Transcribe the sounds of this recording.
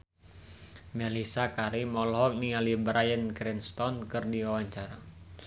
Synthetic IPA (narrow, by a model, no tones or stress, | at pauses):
mɛlisakaɾimɔlɦɔk̚nialibɾʔajənkɾɛnst̪ɔnkɨrdiwawaɲt͡ʃaɾa